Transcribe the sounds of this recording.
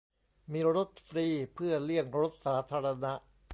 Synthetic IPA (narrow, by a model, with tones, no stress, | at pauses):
miː˧ɾo˦˥t̪̚fɾiː˧pʰɯ˥˩ɐlɯ˥˩əŋɾo˦˥t̪̚saː˩˦t̪ʰaː˧ɾa˧na˦˥ʔ